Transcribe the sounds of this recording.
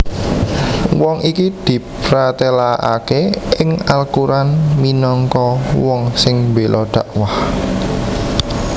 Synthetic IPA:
wɔŋʔikid̪̥i̤pɾat̪elaʔa̰keɪŋalkuɾanminɔŋkɔwɔŋsɪŋmbelʔɔɖ̪̥a̤ʔwah

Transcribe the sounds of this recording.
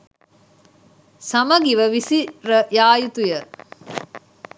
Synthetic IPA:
sɐməɡiʋəʋisiɾəjaːjut̪ujə

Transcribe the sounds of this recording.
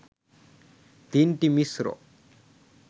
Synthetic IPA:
t̪iɳʈimisɾo̰

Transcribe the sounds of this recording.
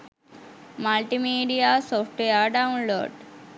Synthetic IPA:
malʈimiːɖijasoːfʰʈʋejaɖaunlo̰ːɖ

